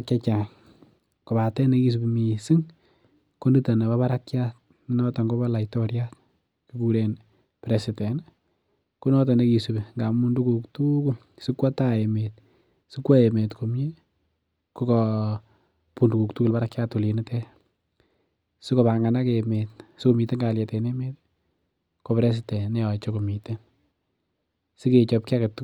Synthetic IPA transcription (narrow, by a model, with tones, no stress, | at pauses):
akja˦t͡ʃa˨ŋ | ko˨batɛ˦ne˦ki˦s̬u˨bi˨mi˨si˦ŋ | ko˦ndi˦ta˨na˨ba˦βa˦ɾakjat̚ | ni˦nɔtɔ˨ŋɡo˦ba˦la˨itoɾjat̚ | ki˦kuɾe˨n | pɾesitɛ˨n | ku˦nɔ˦t̬ɔ˨ne˦ki˨subi˨ŋɡa˨mu˦ndu˦kuktuku˦l | si˦kwa˦taemet̚ | si˦kwɔ˦e˨me˨tkʰo˨mji˦ | ku˦kɔ | pu˨ndu˨ku˨ktu˦ku˨lba˦ɾa˦kːaatu˨li˨ni˦te˦ | si˦ko˨pa˨ŋɡa˨na˦kemet̚su˦ko˨mi˨te˦ŋɡa˨lje˨teneme˦t | ko˨pɾe˦s̬ɪtɛ˨ne˦ɔ˨t͡ʃo˦ko˨mi˨te˦n | si˦ke˨t͡ʃɔ˨p̚ki˦a˦ka˨t